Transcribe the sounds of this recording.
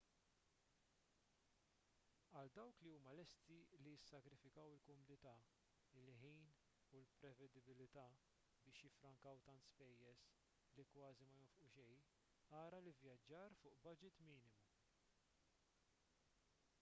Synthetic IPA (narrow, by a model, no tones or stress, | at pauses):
ɐld̪ɐwkliuːmɐlɛst̪ilijɪsːɐkɾɪfɪkɐwɪlkɔmʊnɪt̪ɐː | ɪlħiːn | ulpɾɛvɛd̪ɪbɪlɪt̪ɐː | bɪːʃjɪfɾɐŋkɐwt̪ɐnt̪spɛjːɛs | likwɐːzimɐjɔfʔʊʃɛj | ɐːɾɐlɪvjɐd͡ʒːɐːɾfʊːʔbɐd͡ʒɪt̪miːnɪmu